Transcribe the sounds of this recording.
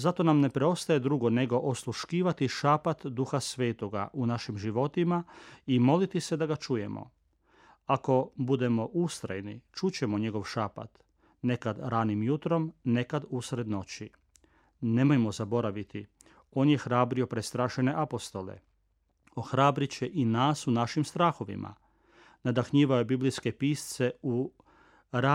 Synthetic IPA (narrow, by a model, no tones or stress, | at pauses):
zat̪o̞namne̞pɾeo̞st̪aje̞d̪ɾuɡone̞ɡo̞ʔoslˠuʃkiːʋat̪iʃapat̪d̪uxasʋe̞ːt̪o̞ɡa̰ʔunaʃimʒiʋo̞t̪imaimo̞lit̪ise̞d̪aɡat͡ʃuje̞mo̰ | ako̞bud̪e̞mo̞ʔust̪ɾajnit͡ʃut͡ɕe̞moɲe̞ɡo̞ʋʃaːpa̰t̪ | ne̞kad̪ɾanimjut̪ɾo̞mne̞kad̪usɾe̞d̪no̞t͡ɕi | ne̞mojmo̞zabo̞ɾaʋit̪i | o̞ːnje̞xɾaːbɾio̞pɾest̪ɾaːʃene̞ʔapo̞st̪o̞lḛ | oxɾaːbɾit͡ɕeʔinaːsunaʃimst̪ɾaːxo̞ʋḭmʔa̰ | nad̪axɲiːʋajobiblijske̞piːst̪se̞u | ɾa